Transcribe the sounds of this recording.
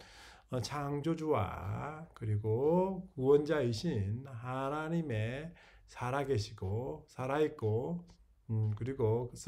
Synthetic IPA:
ʌt͡ɕʰaŋd͡ʑod͡ʑuwa̰kɯɾiɡokuwʌnd͡ʑaiɕʰinɦanaɲime̞ | sʰaɾaɡe̞ɕʰiɡosʰaɾait̚k͈o | kɯɾiɡoɯs

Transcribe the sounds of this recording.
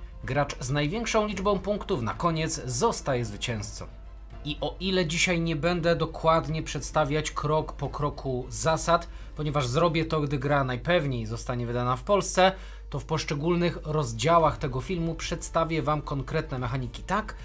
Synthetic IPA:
ɡɾat͡ʂznajvʲjɛŋkʂɔ̃w̃lʲid͡ʐbɔ̃w̃puŋkt̪ufna̰kɔɲɛt̪zszɔst̪ajɛzvɘt͡ɕɛ̃w̃st̪sɔ̰ | iʔɔʔilɛd͡ʑiɕajɲɛbɛnd̪ɛd̪ɔkwad̪ɲɛpʂɛt̪st̪avʲjat͡ɕkɾɔkpɔkɾɔkʰuzasat̪ | pɔɲɛvaʐzɾɔbʲjɛt̪ɔɡd̪ɘɡɾanajpɛvɲejzɔst̪aɲɛvɘd̪anafpɔlst̪sɛ | t̪ɔfpɔʂt͡ʂɛɡulnɘxɾɔzd͡ʑawaxt̪ɛɡɔfʲilmupʂɛt̪st̪avʲɛvamkɔŋkɾɛt̪nɛmɛxaɲikʲi̥t̪ak

